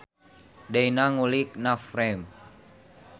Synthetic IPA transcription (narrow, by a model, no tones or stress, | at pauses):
dainaŋulik̚nafrɛm